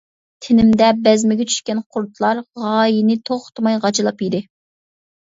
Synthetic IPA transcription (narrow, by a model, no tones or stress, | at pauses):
t̪ʰɪnɪmd̪ɛbɛzmɪɡʲɛt͡ʃʰy̥ʃkʲɛnqʰʊɾt̪lˠɑɾʁɑːjinɪt̪ʰoχt̪mɑjʁɑt͡ʃʰɨlˠɑpjid̪ɪ